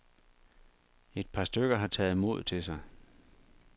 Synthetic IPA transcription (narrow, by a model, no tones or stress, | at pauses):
e̝d̥̚pʰɑ̈sd̥øɡ̥ɐɦɑ̈t͡sʰɛ̰ːð̩ˠmo̝ð̞̰ˠt͡sʰe̝sɑ̈ɪ